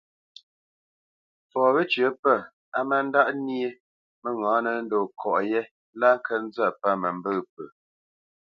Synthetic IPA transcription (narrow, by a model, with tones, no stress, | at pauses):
fɔː˨βə˦t͡ʃɥə˨˦pə˦˨ | a˦mə˦n̩˦da˦ʔni˦e˦ | mə˦ŋãː˨˦nə˨˦n̩˦do˨kʰɔ˨ʔjɛ˦ | la˦ŋ˦kʰə˦n̩˦za˦˨pa˦˨mə˨m˦bə˦˨p̚ə˨